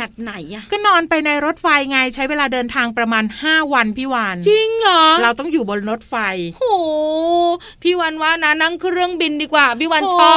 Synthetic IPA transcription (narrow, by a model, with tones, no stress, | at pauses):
a˨˩t̪̚na˨˩˦jʔa˧˩kɔː˥˩nɔː˧npa˧jna˧jɾo˦˥t̪̚fa˧jŋa˧jt͡ɕʰa˦˥jweː˧laː˧dɤː˧nt̪ʰaː˧ŋpɾa˧maː˧nhaː˥˩wa˧npʰiː˥˩waː˧nt͡ɕi˧ŋɔː˨˩˦ɾa˧wt̪ɔ˥˩ŋjuː˨˩bo˧nɾo˦˥t̪̚fa˧jhoː˨˩ | pʰiː˥˩waː˧nwaː˥˩na˦˥na˥˩ŋkʰɾɯ˥˩əŋbi˧ndiː˧˩kwaː˨˩pʰiː˥˩waː˧nt͡ɕʰɔː˥˩